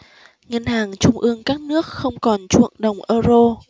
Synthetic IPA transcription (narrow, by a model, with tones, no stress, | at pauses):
ŋə˧nhaː˨˩ŋt͡ɕʊ˧ŋ͡mʔɨ˧əŋkaː˦˥k̚nɨ˦˥ək̚xə˧wŋ͡mkɔ˨˩nt͡ɕṵ˧˨əŋɗə˨˩wŋ͡mʔəː˧zo˧